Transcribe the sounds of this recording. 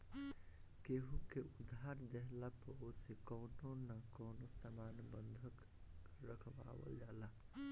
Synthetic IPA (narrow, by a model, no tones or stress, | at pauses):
keɦukeud̪ʱaɾd̪eɦlapəosekəʊnonakəʊnosamanbənd̪ʱək | ɾəkʰba̰bə̰ld͡ʒala